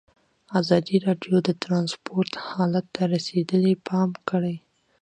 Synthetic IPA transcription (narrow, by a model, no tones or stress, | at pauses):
azɑd̪iɾɑɖjod̪ət̪ɾɑnspoɾt̪hɑlat̪ːaɾased̪əlepʰɑmkəɽəj